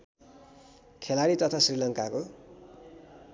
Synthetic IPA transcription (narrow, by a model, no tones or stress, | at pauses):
kʰelaɽit̪ʌt̪ʰasrilʌŋkako